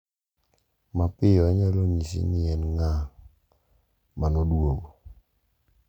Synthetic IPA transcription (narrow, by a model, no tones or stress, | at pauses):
mapɪjɔaɲalonisḭnɪɛnŋa | manɔdwoɡo